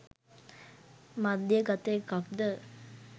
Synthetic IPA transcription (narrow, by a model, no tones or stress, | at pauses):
mad̪ːjəɡat̪eːkak̚d̪ə